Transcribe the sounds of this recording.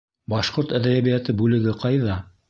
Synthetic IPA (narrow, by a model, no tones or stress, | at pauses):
bɑʃqoɾt̪æðæjæβijæt̪ɘbʉlɘ̆ɡɘqɑjðɑ